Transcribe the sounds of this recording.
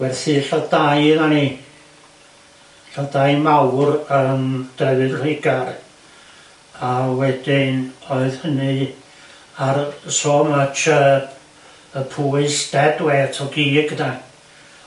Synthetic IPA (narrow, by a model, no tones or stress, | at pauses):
wɛrθɨɬɔdajmani | ɬɔdajmawrəmd̥ɛwɨdr̥ɪɡar | awɛdɪnɔɨð̥hənɨ | arsɔːmatʰə | əpʰuɨsd̥ɛdwɛtʰɔɡiːɡ̥əda